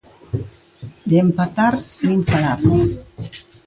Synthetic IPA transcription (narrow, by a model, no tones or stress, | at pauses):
d̪empat̪aɾninfalaɾ